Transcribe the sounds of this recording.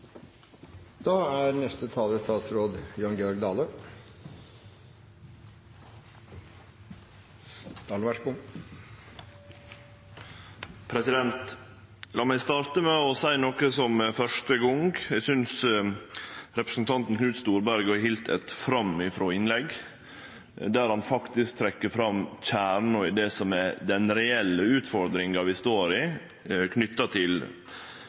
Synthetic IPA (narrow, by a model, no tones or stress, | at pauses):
d̪̥ɑːæɾnɛst̪ət̪ʰɑːləɾst̪ʰɑːt̪sɾoːd̪jɑnɡɛɔɾɡd̪ɑːlə | d̪̥ɑɑlʋæʈbʊm | pʰɾɛsɪd̪ɛnt̪ | lɑːmæɪst̪ɑːɾt̪əmɛɔsæɪnɔkəsɔmfœʂʈəɡɔŋɡɛɡsʏns | ɾɛpɾə̥sn̩t̪ʰɑnt̪n̩kʰnʉːt̪st̪uːɾbæɾɡhiːlt̪ʰɛ̰t̪fɾɑmɪfɾoːɪnlɛɡ | d̪æːɾhɑnfɑkt̪ɪsk̚t̪ʰɾɛkːəɾfɾɑmc͡çæːɾɳɔɪd̪ɛsɔmɛd̪ɛnɾɛɛlːəʉːt̪fɔɾd̪ɾɪŋɑʋɪst̪oːɾɪ | kʰnʏt̪ːɑt̪ʰɪl